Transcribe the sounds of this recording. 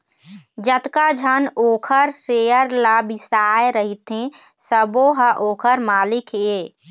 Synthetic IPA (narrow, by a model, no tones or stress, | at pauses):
d͡ʒət̪kad͡ʒʱənokʰəɾsejəɾlabisaeɾəɦit̪ẽ | səboɦəʔokʰəɾmalikʰe